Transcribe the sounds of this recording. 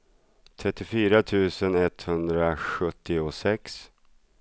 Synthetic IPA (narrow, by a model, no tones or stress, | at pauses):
t̪ʰɾɛt̪ːɪfyːɾat̪ʰʉ̟ːsənɛt̪hɵnd̪ɾaɧɵt̪ːɪʊsɛks